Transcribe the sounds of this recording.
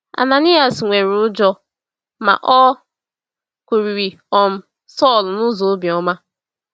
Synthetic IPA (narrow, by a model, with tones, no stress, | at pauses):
a̰˨na˨ni˦a˨sŋʷe˨ɾʊ˦d͡ʒɔ˦ | ma̰˨ʔɔ˦ | kʷu˨ɾi˨ɾi˨ | ɔ˨m̩˦ | sɔ˦˨lnʊ˦zo˨˦bi˨ɔ˦ma˦